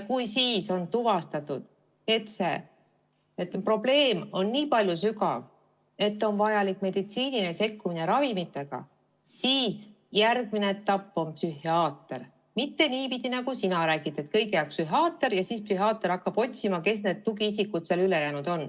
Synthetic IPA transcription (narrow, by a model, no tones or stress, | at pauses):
kujsiːso̞nt̪uvɑst̪ɑt̪ːud̪̥ | e̞t̪se̞ | et̪ːpro̞ble̞ːmo̞nːiːpɑlʲjusykɑ̰v | e̞t̪ːˑo̞nvɑjɑlikːˑme̞d̪̥it̪siːninese̞kːumine̞ɾɑvimit̪ːˑe̞ɡ̥ɑ̰ | siːs | jærɡ̥̚mineet̪ːɑpːo̞mpsyhiɑːt̪ːer | mit̪ːe̞niːpid̪inɑɡusinɑɾæːɡ̥it̪ːˑet̪̚kɤjɡejæk̚psyɦɑːt̪ːˑe̞ɾjɑsiːspsyɦɑːt̪ːˑeɾɑkːɑb̥o̞t̪ʲsimɑke̞sne̞d̪̥̚t̪uɡiisikːud̪̥seɑlyle̞jæːnud̪̥o̞n